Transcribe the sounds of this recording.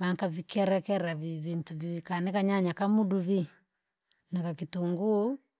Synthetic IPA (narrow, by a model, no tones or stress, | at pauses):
maŋkavikɛɾɛkɛɾaviβintuviikanɛkaɲaɲakamuduβi | nɛkakituŋɡu